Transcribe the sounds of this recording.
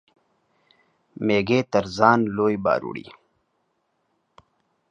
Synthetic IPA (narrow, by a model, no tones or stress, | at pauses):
meːɡeːt̪ɐɾzaːnloːjba̰ːɾṵɽḭː